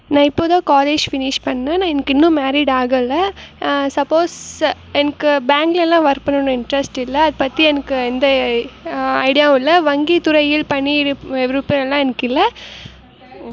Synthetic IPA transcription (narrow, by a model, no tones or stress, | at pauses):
nãːɪpːoːt̪ãːkaːleːd͡ʒfɪnɪʂpɐɳːnãːnãːɛnɐkːɪnːʊ̃maːɾiɽaːɣɐɪlːɐsɐpːoːs | ɛnɐkːɯbaːŋɡlɛlːãːʋɐɾpɐɳːɯnɐ̃ɪɳɖɾɐsʈɪlːɐɐðɯpɐt̪ːiɛnɐkːɯɛnd̪ɐ | ɐ̰ɪɽɪjaːɪlːɐʋɐŋɡit̪ʊɾɐɪɪlpɐɳːiɛʋɪɾɯpːɐɛlːãːɛnɐkːɪlːɐ